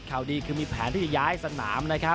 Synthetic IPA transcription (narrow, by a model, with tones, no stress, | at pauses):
kʰaː˨˩wdiː˧kʰɯː˧miː˧pʰɛː˩˦nt̪iː˥˩t͡ɕa˨˩jaː˦˥jsa˧na̰ː˩˦mna˦˥kʰa˦˥